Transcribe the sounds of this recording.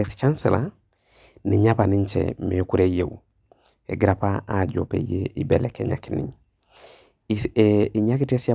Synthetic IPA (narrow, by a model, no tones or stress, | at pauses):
ɛst͡ʃansɛla̰ | niɲapaniɲt͡ʃɛ̰mɛkuɾejewu | ɛɡɾapaad͡ʒo̰pḛjeʔibɛlɛkɛɲa̰kinḭɲ | iɲakitɛsia